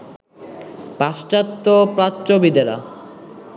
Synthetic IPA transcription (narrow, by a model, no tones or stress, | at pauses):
paʃʈat̪ːopɾatːt͡ɕobid̪eɾa̰